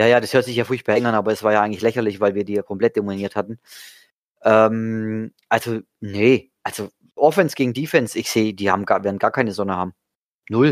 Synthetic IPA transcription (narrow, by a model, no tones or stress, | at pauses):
jaːjaːdashøɐtz̥ɪçjaːfʊːɐçpb̥aːɛɡŋ̩anʔaːbɐɛsv̥aːɐjaːʔaɪɡŋlɪçlɛçɐlɪçv̥aɪlviːɐdiːjaːkʰɔmpl̥ɛt̚d̥emniːɐthatn̩ | ʔɛːmʔalzo | nəʔalz̥o | ʔɔfɛnsɡ̥eːɡŋ̩diːfɛnsɪçz̥eːd̥iːha̰ːbm̩ɡaːɐvɛɐdn̩ɡ̥aːkʰaɪnəzɔnəhaːbm̩ | nʊl